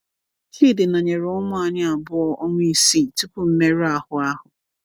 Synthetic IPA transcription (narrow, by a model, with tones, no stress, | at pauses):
hi˦˨dɪ˨na˨ɲe˨ɾɔ˦mʊ˦a˨ɲɪ˦a˨bʊ˦ɔ˦ʔo˦ŋʷ˦i˨si˦˨tu˦pʊ˦m̩˦me˦ɾa˦hʊ˨a˦hʊ˨